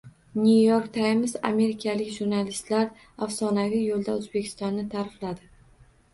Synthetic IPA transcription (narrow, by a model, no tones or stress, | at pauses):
nʲujoɾkt̪ʰajmza̰me̞ɾɪkʲʰalɪkʲʒuɾnalist̪laɾ | afsɒnavijolˠd̪aɵzbe̞kʲʰɪst̪ɒnːɪt̪ʰaɾɪflad̪ɪ